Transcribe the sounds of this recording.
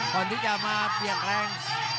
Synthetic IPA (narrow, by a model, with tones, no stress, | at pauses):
kɔː˨˩nt̪i˦˥˩t͡ɕa˨˩maː˧pi˨˩ək̚lɛː˧ŋ